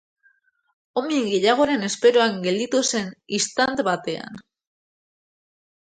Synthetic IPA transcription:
o̞miŋɡe̞ʎaɣ̞o̞ɾe̞ne̞spe̞ɾoaŋɡe̞ld̪it̪use̞nist̪ant̪βat̪e̞a̰n

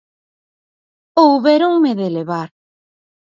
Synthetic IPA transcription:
owβeɾoŋmeðeleβaɾ

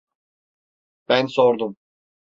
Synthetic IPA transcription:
b̥ænsoɾd̪um

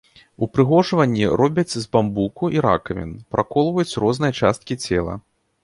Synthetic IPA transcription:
upɾɨɣɔʐvɐnʲːiɾɔbʲɐt͡sʲzbambukuʔiɾa̰kɐmʲɛ̰npɾʔakɔlˠvɐjut͡sʲrɔznɨjɐt͡ʂast̪̚kʲit͡sʲɛ̰lˠɐ̰

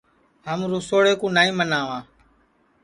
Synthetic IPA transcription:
ɦəmɾoːsoːɽeːkũːnaːĩːmənaːʋãː

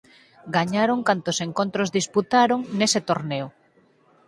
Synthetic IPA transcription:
ɡaɲaɾoŋkant̪oseŋkõnt̪ɾozðisput̪aɾoŋneset̪oɾneo

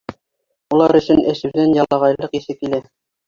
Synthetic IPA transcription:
ulˠɑɾɵ̆ʃɵ̆nɘ̆ʃʉ̆wðænjɑlˠɑʁɑjlˠɤqisɘk̚kilæ

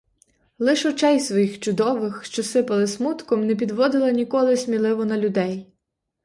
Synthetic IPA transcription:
lˠɪʃɔt͡ʃɛjsʋɔjixt͡ʃʊd̪ɔʋɪxʃt͡ʃɔsɪpɐlˠɪsmut̪kɔmnɛpʲid̪ʋɔd̪ɪlˠɐnʲikɔlˠɪsʲmʲilˠɪʋɔnɐlʲʊd̪ɛj

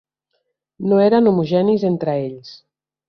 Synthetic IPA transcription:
noeɾanumuʒɛnizent̪ɾaeʎs

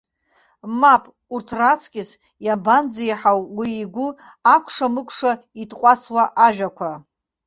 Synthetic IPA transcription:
mapʼ | urtʰrat͡sʰkʲʼɪs | jaband͡zijħawwiːɡʷu | akʷʰʂamɨkʷʰʂa | itqʷʼat͡sʰwaʔaʒᶣakʷʰa

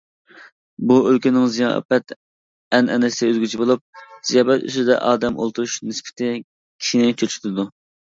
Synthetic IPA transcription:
buølkʲynɪŋzijɑ̰pɛt̪ | ɛnʔɛnɪsɪøzɡʲyt͡ʃʰibolˠup̚z̥ijɑːbɛt̪y̰sɪd̪ɛ̰ʔɑːd̪ɛmʔo̰lˠt̪ʰuɾuʃnɪspʰɪ̥t̪ʰɪ | kʲʰi̥ʃinɪt͡ʃʰøt͡ʃʰy̥t̪ʰd̪u

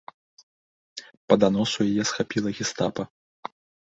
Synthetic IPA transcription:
pɐd̪anɔsujajɛsxapʲilˠɐɣʲist̪apɐ

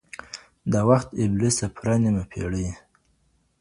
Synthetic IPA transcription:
d̪awaxt̪ɪblisapʰɾanimapʰḛɽə

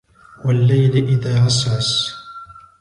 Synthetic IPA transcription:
walːajlʔɪðaːʕɑsˤɑs

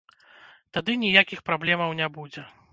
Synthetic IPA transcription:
t̪ad̪ɨnʲijakʲixpɾablʲɛmɐwnʲɛbud͡zʲɛ

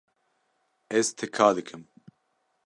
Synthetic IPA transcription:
ɛzt̪ʰɛkʰaːd̪ɨkʰɨm

